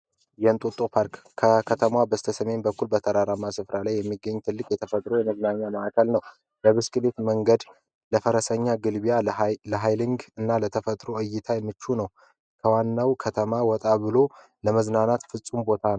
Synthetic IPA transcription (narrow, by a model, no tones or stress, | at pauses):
jɛnt̪ʼot̪ʼopʰaɾkːʰəkʰət̪ʰəmwabəst̪ʰəsəme̞nbəkːulbət̪ʰəɾaɾamasɨfɾalajːɛmːiɡːəɲːt̪ʰɨlːɨkʼjɛt̪ʰəfət̪ʼɾo̞jɛməznaɲːaməʔakʰəlnəw | bəβɨskʼɨbe̞t̪məŋɡəd̪ | ləfəɾəsəɲːaɡɨlbijaləɦajliŋɡɨnːalət̪ʰəfət̪ʼɾo̞ʔɨjːɪt̪ʰajɛmːɨt͡ʃːunəw | kʰəwanːawkʰət̪ʰəmawɔt̪ʼabɨlo̞ | ləməznanat̪fɨsʼumbo̞t̪ʰan